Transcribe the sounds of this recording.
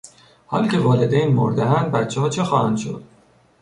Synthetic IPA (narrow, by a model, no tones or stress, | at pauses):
hɒ̰ːlcʲʰe̞vɒːled̪ejnmo̰ɾd̪eɦænd̪̚bæt̪t͡ʃʰehɒːt͡ʃʰexɒːhæ̰nd̪ʃo̞̰d̪̥